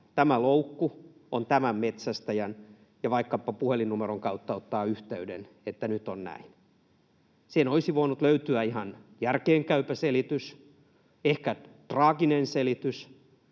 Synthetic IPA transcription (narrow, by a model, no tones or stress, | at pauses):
t̪æmæloukːu | ont̪æmæmmet̪sæst̪æjæn | jɑʋɑikːɑpːɑpuhelinnumeroŋkɑut̪ːɑot̪ːɑːyht̪eydḛn | et̪ːænyt̪ːonnæ̰in | senoisiʋoinut̪løyt̪yæihɑnjærkeːŋkæypæselit̪ys | ehkæt̪rɑːɡinenselit̪ys